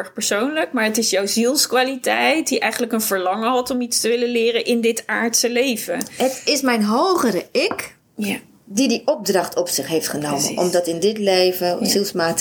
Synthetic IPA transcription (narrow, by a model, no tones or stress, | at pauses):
ɹχpəɹsownləkmaːɹətɪsjɔwzilˠskʋaːlitɛjt̚diʔɛjχən̩ləkənv̥əɹlɑŋəɦɑtɔmitstəʋɪləlɪːrənʔɪndɪtaːɹtsəlejv̥ənɦətɪsmɛjnɦowχəɾəɪk | didiʔɔb̚drɑχtʰɔpsɪχɦejftχənowmə̰nɔ̰mdɑtɪndɪtlejvəzilˠsmaːt